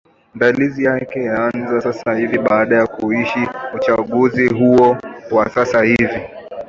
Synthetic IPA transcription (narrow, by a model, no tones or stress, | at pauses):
ndalizijakɛjaanzasasahiviɓaaɗajakuiʃiut͡ʃaɠuziɦuɔwasasahivi